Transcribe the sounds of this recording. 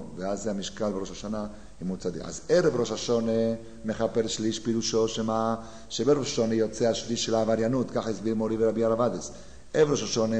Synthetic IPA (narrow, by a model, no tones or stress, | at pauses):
veazːeamiʃkalbeʁoʃaʃana | imut͡sad̪ḭa̰zeɾevɾo̞ʃaʃone | me̞χape̞lʃliʃpiɾuʃo̞ʃema | ʃebeɾoʃaʃo̞nejo̞t͡seaʃliʃːelaːvaɾjanut̪kaχaisbiɾmo̞ɾiveɾabiaʁavad̪es | evɾo̞ʃaʃo̞ne